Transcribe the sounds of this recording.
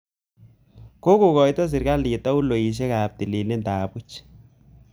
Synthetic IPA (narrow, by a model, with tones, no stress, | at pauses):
ko˦ko˨kɔ˨jtɔ˦s̬ɪ˨ɾka˦li˨ta˦u˦lo˨ji˨ʃ̬ɛ˦ka˨p̚ti˨li˨le˦ndaː˨pu˦t͡ʃ